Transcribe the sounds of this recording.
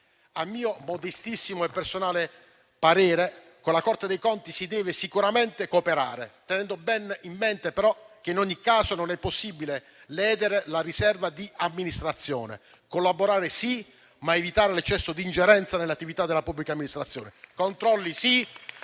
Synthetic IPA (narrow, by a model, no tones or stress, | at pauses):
amːiːomod̪est̪isːimoepːersonaːle | paɾɛːɾe | konlakɔrt̪ed̪ejkɔnt̪isid̪ɛːvesikuɾament̪ekoːpeɾa̰ːɾet̪ɛnɛnd̪obɛnimːent̪epeɾɔk̟einoɲːikːaːsononɛpːosːibile | lɛːd̪eɾelaɾisɛrvad̪iamːinist̪ɾat̪sːjɔ̰ːnḛ | kolːaboɾaːɾesi | maevit̪aːɾelet͡ʃːɛsːod̪ind͡ʒeɾɛnt̪sanelːat̪ːivit̪ad̪ːelapubːlikamːinist̪ɾat̪sːjɔːnekont̪ɾɔlːisi